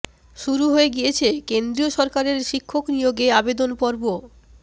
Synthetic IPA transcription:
ʃuɾuɦoeɡijet͡ɕʰekend̪ɾioʃɔɾkaɾeɾʃikʰːoknijoɡeabed̪onpɔɾbo

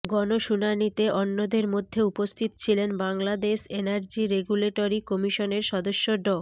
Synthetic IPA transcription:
ɡɔnoʃunanit̪eʔɔnːod̪eɾmod̪ʱːeupost̪ʰit̪o̥t͡ɕʰilenbaŋlad̪eʃenaɾd͡ʑiɾeɡuleʈoɾikɔmiʃoneɾʃɔd̪oʃːoɖɔ

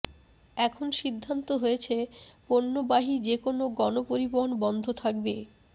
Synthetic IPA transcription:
ɛkʰonʃid̪ʱːant̪oɦoet͡ɕʰeponːobaɦid͡ʑekonoɡɔnopoɾiboɦonbɔnd̪ʱot̪ʰakbe

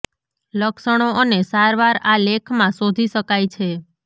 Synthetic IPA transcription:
ləkʃəɽ̃oənesaɾʋaɾalekʰmãsod̪ʱiʃəkajt͡ʃʰe

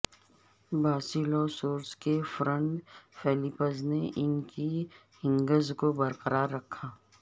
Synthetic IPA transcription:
baːsilɔːsoːɾskefɾə̃ɳʈfɛːlɪpəzneʔɪnki | hɪ̃ŋɡəzkobɐɾqəɾaːɾːɐkʰːaː

